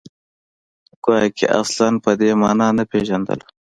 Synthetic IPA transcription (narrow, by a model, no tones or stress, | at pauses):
ɡ̥okḛʔa̰slanpəd̪eːmɑːnɑːnɐpeʒɐnd̪ə̰l